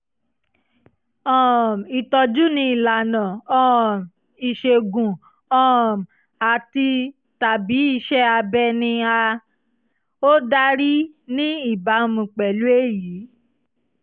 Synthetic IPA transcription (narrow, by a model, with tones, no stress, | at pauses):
ɔ̃˦˨m˨i˨tɔ˧d͡ʒu˦nĩ˧i˨la˨nã˨ɔ̃˦˨ | i˨ʃe˧ɡũ˨ | ɔ̃˦˨m˨ | a˨ti˧ | ta˨bi˨˦i˦˨ʃɛ˦a˧bɛ˧nĩ˧a˧ | o˦da˦ɾi˦ | nĩ˦i˦˨ba˨˦mũ˧k͡pɛ˨lu˦e˦˨jiː˨˦